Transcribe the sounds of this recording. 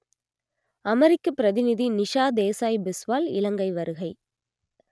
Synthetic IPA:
ɐmɛɾɪkːɐpːɪɾɐðɪnɪðinɪʂaːd̪eːsaːjbɪsʋaːlɪ̰lɐŋɡɐɪʋɐɾɯɣɐɪ

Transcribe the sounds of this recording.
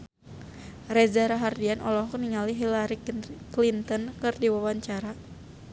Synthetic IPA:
rɛzaɾaɦardianʔɔlɔɦkniŋaliɦilaɾiklint̪ənkɨrdiwawaɲt͡ʃaɾa

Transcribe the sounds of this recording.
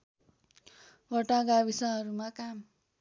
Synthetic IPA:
wʌʈaɡabisʌɦʌɾumakam

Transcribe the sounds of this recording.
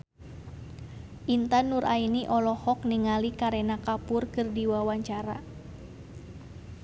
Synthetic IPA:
ʔint̪anːuɾʔainiʔɔlɔhɔk̚niŋalikaɾɛnakapʊrkɨrdiwawaɲt͡ʃaɾa̰

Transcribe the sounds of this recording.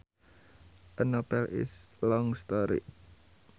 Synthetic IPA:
ʔənobɛlɪ̰s | lɔŋst̪ɔɾḭ

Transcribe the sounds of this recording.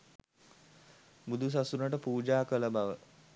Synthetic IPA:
bud̪ʱus̬asunəʈəpuːd͡ʒaːkələbaʋə

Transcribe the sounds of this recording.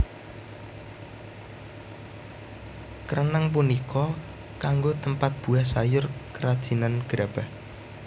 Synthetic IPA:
kəɾʔənaŋp̬unikʰɔ | kaŋɡot̪əmpat̪̚b̥ṳahsajʊrkəɾad̥ʒ̥i̤nanɡ̥ɾab̥ah

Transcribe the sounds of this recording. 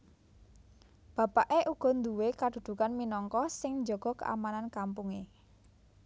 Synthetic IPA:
b̥a̤paʔeʔuɡ̥ɔ̤nd̪uwekad̪̥ṳd̪̥ṳkanminɔŋkɔsɪŋɲd͡ʒɔɡ̥ɔ̤kə̰ʔa̰manankampuŋe

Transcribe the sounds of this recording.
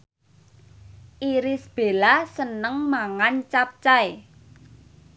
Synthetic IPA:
ʔiɾɪsb̥e̤lasənəŋmaŋant͡ʃap̚t͡ʃae

